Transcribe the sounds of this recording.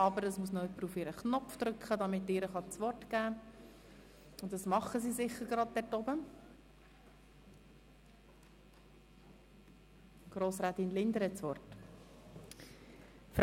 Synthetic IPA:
ɑbəɾəsmusnɔœpːəɾufɪɾəχnɔfd̪̥ɾʏkχədɑmɪtːɪːɾəχɑt͡sʋɔrtɡ̥æː | ʊntdɑsmɑχəsiːsɪχəɾɡɾɑd̚d̥ɛrtɔbə | ɡ̥ɾoːsɾɛːtinlɪnd̪əɾhɛtt͡sʋɔrt | f

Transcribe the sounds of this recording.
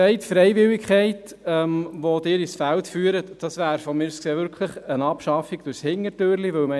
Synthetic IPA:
ɛɪtfɾɛɪvɪwɪkχɛɪt | ɛmʋodɪːɾisfæltfyːɾətd̥ɑsʋæːɾfɔmɪːɾskseːvʏɾkʰləχənɑpʃɑfiɡ̥d̥ʊɾshɪŋːəɾtøːɾliʋɵlmɛ

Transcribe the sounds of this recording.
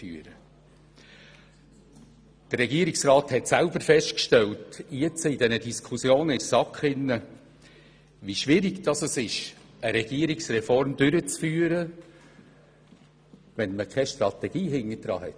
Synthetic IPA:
fyːəɾə | d̥ərɛɡiəɾɪksrɑːthɛtsælbəɾfɛʃtkʃtɛltiət͡səid̥ɛnədiskʰusjoːnɪɾsɑkχɪnːə | ʋiʃʋɪɾɪɡd̥ɑsɛsɪʃəɾɛɡ̥iəɾɪksrɛfɔɾmd̥ʏɾət͡sfyːəɾə | ʋɛnməkʰɛʃtɾɑt̪ɛɡ̥iːɦɪnːəd̥ɾɑ̰ːhɛ̰t

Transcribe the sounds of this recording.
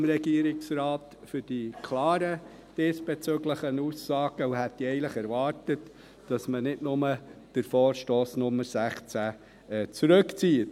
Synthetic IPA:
mɾɛɡ̥iəɾɪksrɑːt | fʏɾd̥ikʰlɑːɾə | d̥ɪsb̥et͡søɡləχənuːsːɑːɡ̥əuɦɛtːiɛɪləχɛɾvɑːɾtət | d̥ɑsmənɪdnʊməd̥əɾfoːɾʃtoːsnʊmːəɾsæχt͡sæ | ɛt͡suɾɵkt͡siːət

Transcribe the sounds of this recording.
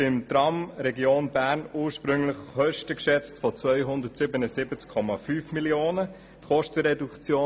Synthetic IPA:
ɪmt̪ɾɑmɾɛɡjoːnbæːɾnuːɾʃpɾʏŋlɪχχœʃtəkʃɛt͡stfɔt͡svœʏɦʊnd̪ətsɪbənəsɪbət͡skʰːɔmɑfyːfmiljoːnə | tχɔʃtəɾɛdukt͡sjoː

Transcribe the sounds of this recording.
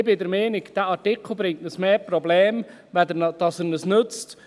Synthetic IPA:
ɪbɪdəɾmeːnɪkd̥æːʔɑɾtɪkʰl̩ˠbɾɪŋ̚tnəsmeːprɔbleːm | ʋɛdənd̥ɑsənəsnʏt͡st

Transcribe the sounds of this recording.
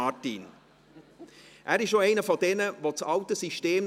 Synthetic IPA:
ɑtḭn | ʔæːɾɪʃoɛɪnəfɔdɛnəʋot͡sɑwtəsiʃteːmn

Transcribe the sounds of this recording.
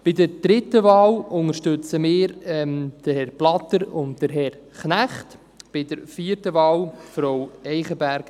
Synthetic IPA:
b̥ɪdəɾd̥ɾɪtːəvɑːwʊŋəɾʃtɵt͡səmɪːɾɛmd̥əhɛrb̥lɑtəɾʊntd̥əɾɦɛr | χnæχt | b̥ɪdəɾfiːəɾtəvɑːwfɾɔwɛɪχəbæɾk

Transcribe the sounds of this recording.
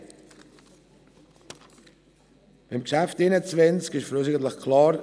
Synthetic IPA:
b̥imkʃæftɪnət͡svɛnt͡skɪʃfəɾos̬ɪɡəntləxkʰlɑːɾ

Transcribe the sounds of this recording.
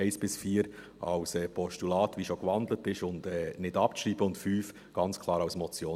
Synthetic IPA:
ɪsb̥ɪsfiːəɾ | ʔɑ̰ʊsɛːpʰɔʃtulɑːtʋiʃokvɑndlət̚b̥ɪʃʊndɛːnɪdɑpʃɾiːbəʊntfyːf | ɡ̥ɑnt͡skʰlˠɑːɾaʊsmɔt͡sjoː

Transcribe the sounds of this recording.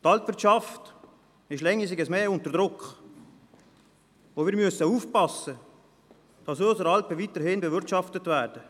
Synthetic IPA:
tɑltvɪɾtt͡ʃɑft | ɪʃlɛŋːisɪɡəsmeːʊntəɾdʁʊkχ | ʋoːviːɾmyəsəuːfpɑsə | d̥ɑsɔsəɾɑlpəvitəɾhɪnbəvɪɾtʃɑftətvæːɾd̥ə

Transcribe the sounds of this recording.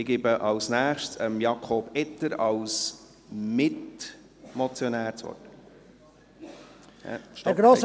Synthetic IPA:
ɪɡɪbəʔɑlsnæːχʃsəmjɑkʰoːbɛtəɾɑls | mɪt | mɔt͡sjonæːɾt͡sʋɔ̰t | hɛ̰ʃtɡɾoːs

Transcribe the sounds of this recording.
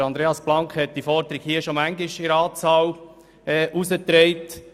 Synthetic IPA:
ɾɑnd̪ɾeːɑsb̥lɑŋkhɛt̚d̥iːfɔɾd̪əɾɪɡhiːəʃomæŋdɪʃɪɾəɑːt͡sɑːl | ɛʔusət̪ɾeɪt

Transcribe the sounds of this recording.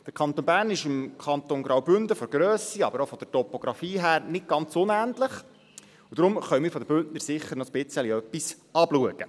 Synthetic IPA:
d̥əɾkʰɑnt̪oːnbæːɾrnɪʃɪmkʰɑnt̪onɡɾawbʏndəfɔɾɡɾøːsiɑbəɾofɔd̥əɾtɔpoɡ̥ɾɑfiːɦæːɾnɪt̚ɡɑnt͡sʊnæntləχ | ud̥̪ɾʊmχœʏmɪːɾfɔdəbʏntnəɾsɪχːəɾnɔspɪt͡səliœpːis | ɑbluəɡ̥ə

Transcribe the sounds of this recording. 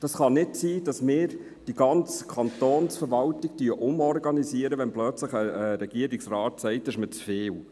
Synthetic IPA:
d̥ɑsχɑnɪtsiːd̥ɑsmɪːɾ | d̥iɡ̥ɑnt͡skʰɑnt̪oːnsfəɾʋɑltɪɡ̚tyːəʔʊmɔɾɡɑnisiəɾəʋɛnplœt͡sləχəɾɛɡ̥iəɾiksrɑːtsɛɪtɪʃmət͡sfeːl

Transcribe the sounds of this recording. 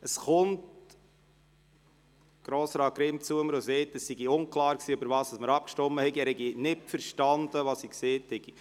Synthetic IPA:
əsχʊnt | ɡ̥ɾoːsɾɑːkɾɪmt͡suəməɾosetəsːiɡiʊŋklɑːɾksiːøbəɾvɑːsɑsməɾɑp̚kʃtɔmːəhɛɡiɛːɾhɛɡinɪtfəɾʃtɑnd̥̪əʋɑsikseːthɛɡ̥i

